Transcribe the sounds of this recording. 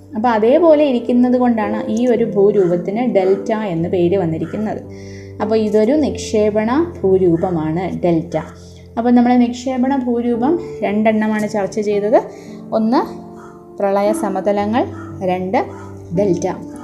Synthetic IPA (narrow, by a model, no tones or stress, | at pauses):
ɐpːɐːɐðe̞ːpo̞ːle̞iɾikʲːunːɐðɨko̞ɳɖaːɳɨʔiːo̞ɾubʱuːɾuːbɐt̪ːinɨɖe̞ltːae̞nːɨpe̞ːɾɨʋɐnːiɾikʲːunːɐðɨ | ɐpːoːiðo̞ɾunikʂe̞ːbɐɳɐbʱuːɾuːbɐmaːɳɨɖe̞ltːɐ | ɐpːoːnɐmːɐɭenikʂe̞ːbɐɳɐbʱuːɾuːbɐmɾe̞ɳɖeɳːɐmaːɳɨt͡ɕɐrt͡ɕːɐt͡ɕe̞jt̪ɐðɨ | o̞nːɨ | prɐɭɐjɐsɐmɐðɐlɐŋːɐɭɾe̞ɳɖɨ | ɖe̞ltːɐ